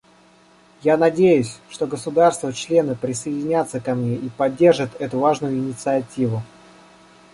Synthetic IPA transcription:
janɐdʲejʊsʲʂt̪o̞ɡəsʊd̪arst̪vət͡ɕlʲe̞nɨpɾʲɪsəɪdʲɪnʲat̪səkɐmnʲe̞ʔipɐdʲːe̞rʐɨt̪ɛt̪ʊvaʐnʊjʊɪnʲɪt̪sɨɐtʲivʊ

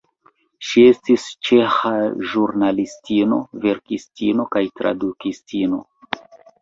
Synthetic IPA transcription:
ʃie̞stist͡ʃe̞xaʒuɾnalistʰino̞̰ve̞ɾkistino̞kajtɾa̰dukistino̞̰

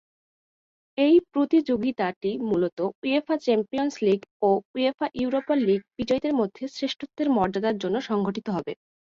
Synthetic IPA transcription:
ejpɾot̪id͡ʑoɡit̪aʈimulot̪ouefʰat͡ɕɛmpijonsliɡouefaʔuuɾopaliɡ̚b̥id͡ʑɔjd̪eɾmod̪ʱːesɾeʃʈʰot̪ːeɾmɔɾd͡ʑad̪aɾd͡ʑonːoʃɔŋɡʱoʈit̪oɦɔbe

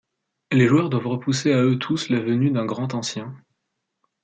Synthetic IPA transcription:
leʒuœʁd̪wavʁəpuseaøt̪ʰuslavənyd̪ɛ̃ɡʁɑ̃t̪ɑ̃sjɛ̃

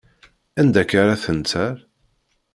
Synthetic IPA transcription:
ænd̪ækaɾaθənt͡s̪æɾ

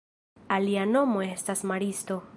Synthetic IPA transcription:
aliano̞mo̞e̞stasmaɾisto̞

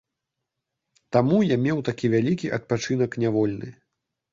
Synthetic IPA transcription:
t̪amujamʲɛwt̪akʲivʲalʲikʲiʔɐt̪̚pat͡ʂɨn̪ɐknʲavɔlʲnɨ̰

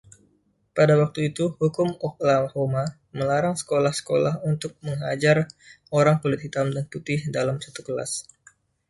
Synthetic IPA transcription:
padawak̚t̪uit̪uhukʊmɔklaahoma | məlaɾaŋsə̥kolahsə̥kolahunt̪ʊk̚məŋɦad͡ʒar | oɾaŋpolɪt̪̚hit̪amdant̪upɪhdalamsat̪ukəla̰s

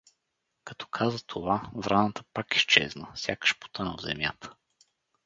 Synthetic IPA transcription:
kɐt̪ɔ̥kʰazət̪ʰovavɾanət̪ə̥pakist͡ʃɛ̰znəfsʲjakə̥ʃpo̥t̪ɤnəvzɛ̰mja̰t̪ʰə̥

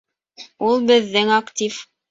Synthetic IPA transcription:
ulˠbɘ̆ðːɘŋakt̪ʲif

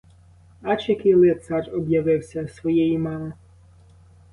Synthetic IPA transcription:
ɑt͡ʃɐkɪlˠɪt̪sɑrɔbjɐʋɪwsʲɐsʋɔjɛjimɑmɐ

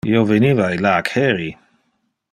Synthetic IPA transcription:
jovɛnivajlaːkʰhɛɾi

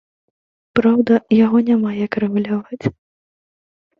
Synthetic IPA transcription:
pɾawd̪ɐjaɣɔnʲamajakɾɨɣulʲavat͡sʲ

